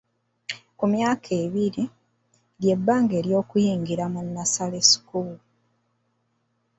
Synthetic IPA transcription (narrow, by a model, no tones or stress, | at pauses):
kumjaːkʰe̞βiɾi | ɾje̞bːaːŋɡeːɾjo̞ːkujiːŋɡiɾamunːasale̞si̥kulu